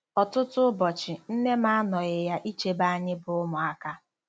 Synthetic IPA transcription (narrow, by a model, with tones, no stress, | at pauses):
ɔ˨tʊ˦tʊ˦bɔ˨t͡ʃɪ˨n̩˦ne˦ma˦nɔ˨ɣɪ˨ja˦ʔi˦t͡ʃe˦ba˦a˦ɲɪ˦bʊ˨ʊ˦mʊ˨a˦ka˦